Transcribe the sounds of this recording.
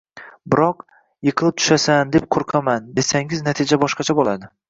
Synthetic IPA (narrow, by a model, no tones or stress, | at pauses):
bɪɾɒq | jɨqʰɨlˠɪp̚t̪ʰʊ̥ʃasand̪e̞p̚qʰoɾqʰɑmand̪esaŋɪznat̪ʰɪd͡ʒabɒʃqɑt͡ʃʰabolˠad̪ɪ